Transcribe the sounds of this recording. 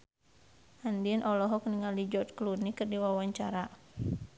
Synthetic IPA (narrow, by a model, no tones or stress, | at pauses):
handinʔɔlɔɦɔk̚niŋalid͡ʒɔt̚klunikɨrdiwawaɲt͡ʃaɾa